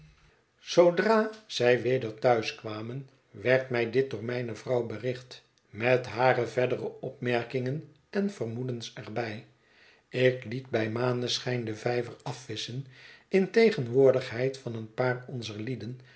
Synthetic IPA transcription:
sowdraːz̥ɛjʋejdəɹtœɥskʋaːmən | ʋɛɹtmɛjdɪt̚dʊːɹmɛjnəvrɑwbərɪχt | mɛtɦaːrəvɛdərəʔɔpmɛɹkɪŋən | ɛnv̥ərmudənsɛɹbɛj | ɪklitbɛjmaːndəsχɛjndəvɛjvərɑfʋɪsənɪntejχənʋʊːɹdəχɦɛjtfɑnənpaːrɔnzəɹlidən

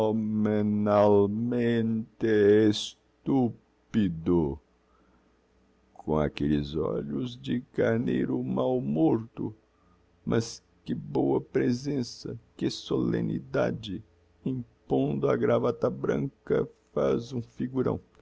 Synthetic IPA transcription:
omenalmẽnt̪ees | t̪u | pid̪ʊ | kʰõa̰kelɪzɔ̰ʎʊzd͡ʒɪkaɾnejɾʊmawmoɾt̪ʊ | mʔɐs | kɪbowɐpɾezẽsɐkɪsolḛ̃nḭd̪a̰d͡ʒɪ | ĩpõnd̪ʊɐɡɾavat̪ɐbɾɐ̰̃ŋkɐfazũfiɡuɾɐ̰̃w̃

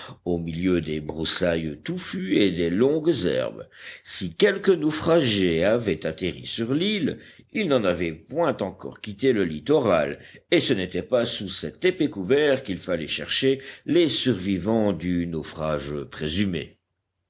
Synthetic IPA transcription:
omiljød̪ebʁusajət̪ufyed̪elɔ̃ɡzɛ̰ʁbsikʲɛlkənofχaʒeavɛt̪at̪eʁḭsyʁlililnɑ̃navɛpwɛ̃t̪ɑ̃kɔ̰ʁkʲit̪eləlit̪ɔʁa̰lesənet̪ɛpasusɛt̪epekuvɛʁkilfalɛ̰ʃɛʁʃelesyʁvivɑ̃d̪ynofχaʒəpχezymḛ

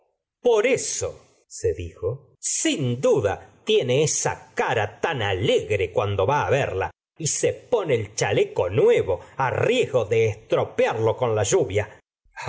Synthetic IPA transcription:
po̞ɾeso̰ | seðixo | sind̪uða̰t̪jene̞esa̰kaɾat̪analeɣɾekwand̪o̞βaːβḛɾla̰ | isepo̞neːlt͡ʃaleko̞nwe̞βo̞arjezɣo̞ðeːst̪ɾo̞pjaɾlo̞ko̞nlaʒuβja

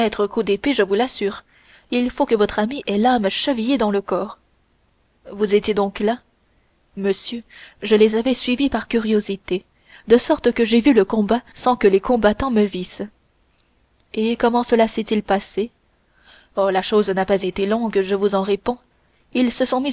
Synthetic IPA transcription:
ɛt̪χəkud̪epeʒəvulasyːʁ | ilfokəvɔt̪χamiʔɛlamʃəvijed̪ɑ̃ləkɔːʁ | vuzet̪jed̪ɔ̃kla | məsjøʒəlezavɛsɥivipaʁkʲyʁjozit̪e | d̪əsɔʁt̪kəʒevyləkɔ̃basɑ̃kəlekɔ̃bat̪ɑ̃məvis | ekɔmɑ̃səlasɛt̪ilpase | ɔlaʃoznapazet̪elɔ̃ɡʒəvuzɑ̃ʁepɔ̃ | ilsəsɔ̃mi

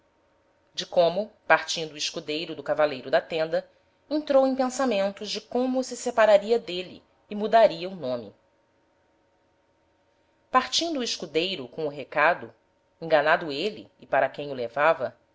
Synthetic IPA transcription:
d͡ʒɪkõmʊpaɾt͡ʃĩnd̪ʊɪʃkud̪ejɾʊd̪ʊkavalejɾʊd̪ɐt̪ẽnd̪ɐ | ẽnt̪ɾowẽj̃pẽsamẽnt̪ʊʒd͡ʒɪkõmʊsɪsepaɾaɾiɐd̪elḭ | ɪmud̪aɾiɐunõmɪ̰ | paɾt͡ʃĩnd̪ʊːɪʃkud̪ejɾʊkõw̃ʊɦekad̪ʊ | ẽŋɡanad̪ʊelɪ̰ːpaɾɐkẽj̃ʊlevavɐ

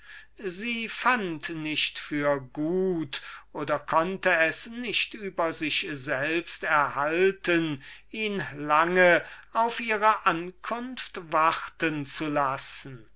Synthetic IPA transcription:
ziːfantnɪʃtfyːɐɡuːtʔoːdɐkʰɔntəɛsnɪʃtyːbɐzɪʃzɛlpstɛɐhaltəniːnlaŋəaʊfʔiːʁəʔankʰʊnftvaʁtənt͡sulasn̩

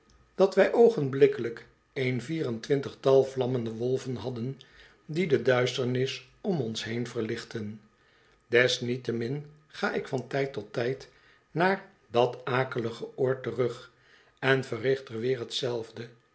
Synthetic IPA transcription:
d̥ɑtʋɛjʔowχənblɪkələk | ejnviːrəntʋɪntəχtɑlˠvlɑməndəʋɔlˠvənɦɑdən | didədœɥstəɹnɪs | ɔmɔnsɦejnvəɹlɪχtən | dɛsnitəmɪn | χaːʔɪkfɑntɛjtɔtɛjt | naːɹ | dɑtaːkələχəʊːɹtərɵχ | ɛnvərɪχtərʋɪːɹɦətsɛlˠvdə

